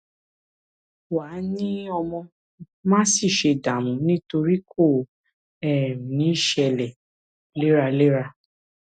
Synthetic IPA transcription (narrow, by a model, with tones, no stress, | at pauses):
waː˨˦nĩ˦ɔ˧mɔ̃˧ | mãː˦si˦˨ʃe˧da˨mũ˨nĩ˦to˧ɾi˦kʰo˦˨ | ɛ˨nĩ˨˦˨ʃɛ˧lɛ˨ | le˦ɾa˧le˦ɾa˧